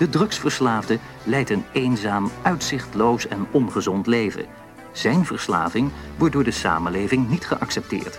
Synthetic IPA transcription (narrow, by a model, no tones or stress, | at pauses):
d̥ədrɵksfəɹslaːvdə | lɛjtənejnzaːmʔœɥtsɪχtlowsɛnɔnχəzɔntlejvə̰ | z̥ɛjnvəɹsla̰ːvɪŋʋɔɹt̚dʊːɹdəsa̰ːməlejvɪŋnitχəʔɑksɛp̚tɪ̰ːɹt